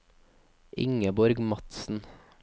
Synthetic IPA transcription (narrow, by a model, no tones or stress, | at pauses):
ʔɪ̰ŋəbɔɾɡmɑt̪sn̩